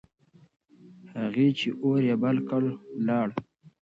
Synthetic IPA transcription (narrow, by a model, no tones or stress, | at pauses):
haɣit͡ʃiʔoɾjabalkəllɑːɽ